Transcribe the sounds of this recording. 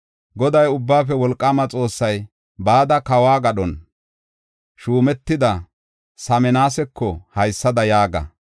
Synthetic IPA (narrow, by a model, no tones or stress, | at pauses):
ɡɔd̪ɐjʊbːaːfɛwɔlkʼːaːmɐt͡sʼo̞ːsːɐj | baːd̪ɐkɐwaːɡɐɗɔn | ʃuːmɛt̪ːɪd̪ɐ | sɐmɛnaːsɛkʰːɔhɐjsːɐd̪ɐjaːɡɐ̰